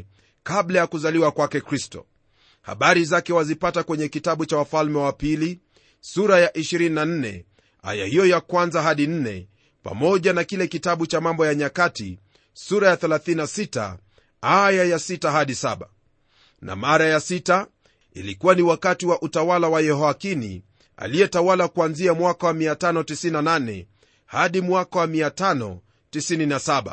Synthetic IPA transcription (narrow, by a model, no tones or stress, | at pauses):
kaɓlajakuzaliwakwakɛkɾistɔ̰ | ha̰ɓaɾizakɛwazipatakwɛɲɛkitaɓut͡ʃawafalmɛwapili | suɾajaʔiʃiɾininan̩nɛ̰ | a̰jahijɔjakwanzaɦaɗin̩nɛ̰ | pa̰mɔʄanakilɛkitaɓut͡ʃamambɔjaɲakatḭ | suɾajaθɛlaθininasita̰ | ajajasitaɦaɗisaɓa | na̰maɾajasita | ḭlikuwaniwakatiwaʔutawalawajɛɦɔakinḭ | a̰lijɛtawalakuanziamwakawamiatanɔtisininananɛ̰ | haɗimwakawamiatanɔ̰ | tisininasaɓa̰